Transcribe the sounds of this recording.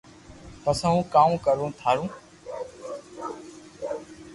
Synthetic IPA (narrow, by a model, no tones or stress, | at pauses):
t̪əsãːũːkãːkəɾũːt̪ʰaːɾũː